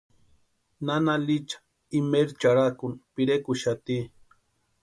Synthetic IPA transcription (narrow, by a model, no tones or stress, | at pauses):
nanalit͡ʃḁ | imeɾt͡ʃaɽakunpiɾekuʃat̪i